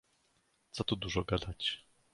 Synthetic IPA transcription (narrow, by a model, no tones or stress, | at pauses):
t̪sɔt̪ud̪uʐɔɡad̪at͡ɕ